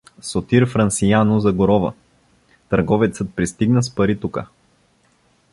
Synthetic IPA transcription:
sot̪iɾfɾɐnsijanozɐɡoɾɔvə̰ | t̪ɐɾɡɔvɛt̪sət̪̚pɾist̪iɡnəspɐɾit̪ukə

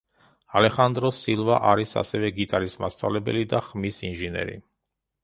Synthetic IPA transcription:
alɛχand̪ɾɔsilˠvaʔaɾisa̰sɛvɛɡit̪ʼaɾismast̪sʼa̰vlɛbɛ̰lid̪aχmisinʒinɛ̰ɾḭ

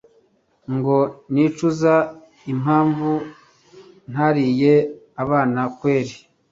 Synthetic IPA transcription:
ŋɡo̞niːt͡ʃuza | im̥aːɱvu | n̥haɾije | aβaːnakweːɾi

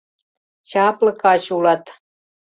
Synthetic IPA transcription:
t͡ɕɑplɤ̆kɑɕulɑt̪

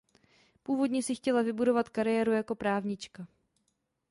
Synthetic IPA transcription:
puːvo̞dɲɛsɪxcɛlavɪbudo̞vat̪kaɾɪjɛːɾujako̞pɾaːvɲɪt͡ʃka

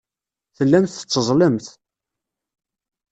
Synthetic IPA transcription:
θəlːæmθə̥t͡sːəzˤləmθ

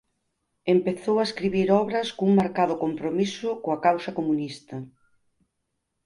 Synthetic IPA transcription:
empeθowɐeskɾiβiɾɔβɾɐskouŋmaɾkað̞ʊkompɾomisʊkoɐkawsɐkomunist̪ɐ

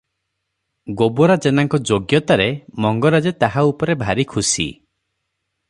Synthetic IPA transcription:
ɡobɔɾad͡ʒenaŋkɔd͡ʒoɡjɔt̪aɾemɔŋɡɔɾad͡ʒet̪aɦaupɔɾebʱaɾikʰusḭ

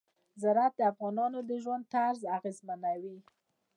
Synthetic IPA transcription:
zaɾat̪̚d̪əafɣɑnɑnod̪əʒwand̪̚t̪aɾzaɣezmanawi

